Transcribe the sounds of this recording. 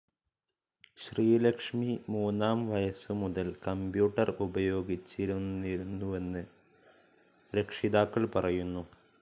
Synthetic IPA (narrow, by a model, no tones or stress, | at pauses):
ɕriːlɐkʂmimuːnːaːmʋɐjɐsɨmuðɐlkɐmbjuːʈːɐrubɐjo̞ːɡit͡ɕːiɾunːiɾunːuʋe̞nːɨ | ɾekʂiðaːkːɐɭpɐrɐjunːu